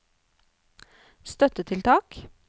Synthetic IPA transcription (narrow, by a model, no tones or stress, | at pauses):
st̪œt̪ət̪ʰɪlt̪ʰɑːk